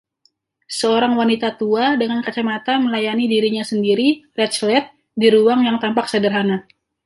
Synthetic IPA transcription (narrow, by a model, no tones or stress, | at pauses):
səoɾaŋwanit̪at̪uadəŋankat͡ʃamat̪aməlajanidiɾiɲasəndiɾirɛt̪t͡ʃlɛt̪̚ | diɾuaŋjaŋt̪ampak̚sədərɦana